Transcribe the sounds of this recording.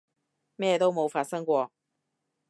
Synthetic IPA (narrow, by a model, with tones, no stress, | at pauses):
mɛ˥˩t̪o˥ʊmo˨˧˥ʊfa˨˩sɤ˥ŋkwɔ˥